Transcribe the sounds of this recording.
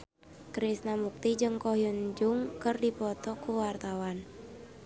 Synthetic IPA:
kɾisnamuk̚t̪id͡ʒɨŋkɔhjund͡ʒuŋkɨrdipɔt̪ɔkuwart̪awan

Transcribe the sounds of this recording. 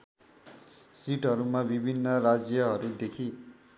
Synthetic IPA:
siʈɦʌɾumabibʱinːʌrad͡zjʌɦʌɾud̪ekʰi

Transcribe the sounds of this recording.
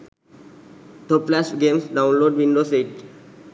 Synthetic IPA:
t̪ʰoplasɡẽːmsɖãʊ̃nloːɖʋĩɳɖoːseːʈ

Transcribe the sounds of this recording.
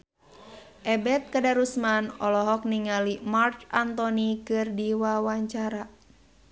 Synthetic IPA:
ʔɛbɛt̪̚kadaɾusmanɔlɔɦɔk̚niŋalimart͡ʃant̪ɔnikɨrdiwawaɲt͡ʃaɾa

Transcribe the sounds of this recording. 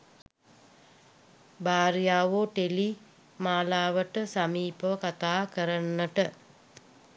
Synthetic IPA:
baːɾjaːʋoːʈeli | maːlaːʋəʈəsamiːpəʋəkat̪aːkəɾənːəʈə

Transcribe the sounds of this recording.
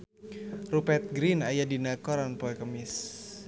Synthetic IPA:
rupɛt̪̚ɡɾinajadinakɔɾanpoɛkəmɪs

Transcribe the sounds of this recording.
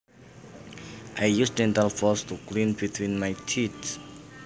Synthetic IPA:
ʔajjusdɛ̃ntalfɔstʰuɡlĩnbit̪ʰwĩnmajt͡ʃʰits

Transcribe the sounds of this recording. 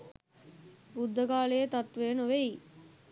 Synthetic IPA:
bud̪ʱːəkaːlejet̪at̪ʋeːnoʋei

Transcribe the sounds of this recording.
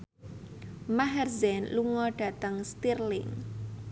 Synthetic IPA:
maɦɛrzɛnluŋɔɖ̥a̤t̪əŋst̪irlɪ̰ŋ

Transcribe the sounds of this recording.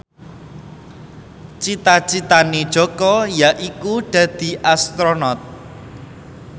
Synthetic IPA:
t͡ʃit̪at͡ʃit̪anid̥ʒ̥ɔ̤kɔjaʔikuɖ̪̥ä̤d̪̥i̤ʔast̪ɾonɔt̪̚

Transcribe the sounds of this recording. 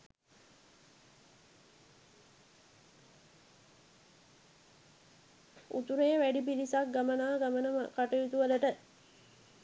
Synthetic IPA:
ṵt̪uɾeːʋæɖip̬ilisak̚ɡamənaːɡamənəməkaʈəjut̪uʋələʈə

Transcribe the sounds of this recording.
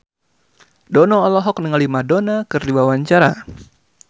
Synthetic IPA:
dɔnɔːlɔɦɔk̚nəŋalimadonakɨrdiwawaɲt͡ʃaɾa

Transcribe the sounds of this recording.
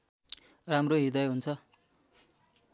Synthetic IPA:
ramroɦid̪ʌjɦunt͡sʰʌ

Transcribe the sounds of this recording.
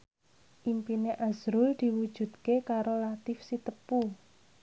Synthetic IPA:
ʔimpineʔazɾʊld̪̥i̤wud̥ʒ̥ṳd̪̚kekaɾolat̪ɪfsit̪əpu

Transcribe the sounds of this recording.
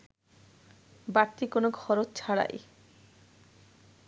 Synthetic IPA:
baɾt̪ːikonoɡʱɔɾot͡ɕt͡ɕʰaɽa̰j

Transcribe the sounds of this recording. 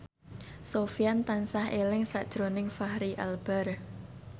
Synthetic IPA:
sofijant̪ansahelɪŋsa̰ʔd̥ʒ̥ɾonɪŋfahɾiʔa̰lb̥ɛr

